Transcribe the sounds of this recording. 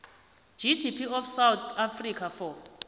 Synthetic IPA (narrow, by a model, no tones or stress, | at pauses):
d͡ʒidipʰiɔfsawt̪ʰafrikʰafɔ